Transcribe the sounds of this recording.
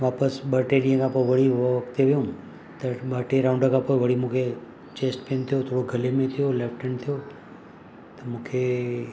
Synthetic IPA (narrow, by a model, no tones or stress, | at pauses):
ʋaːpəsɓəːɾʈeːɾijə̃kʰãpoːɪʋɐɽ̤iʋɐkt̪ʰeʋijũːn | t̪ɐɓaːʈeɾɾãʊ̃ɳɖəkʰãpoːɪʋɐɽ̤imũːkʰe | t͡ɕeːsʈpeːnt̪ʰijot̪ʰoːɽoɡʱɐlemẽt̪ʰijoleːfʰʈənt̪ʰijo | t̪ɐmũːkʰe